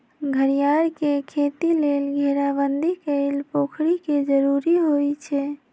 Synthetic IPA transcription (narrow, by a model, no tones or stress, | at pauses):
ɡʱəɾijaɾkekʰet̪ilelɡʱeɾabənd̪ʱikəɪlpokʰɽiked͡ʒəɾuɾiɦojt͡ʃʰɛ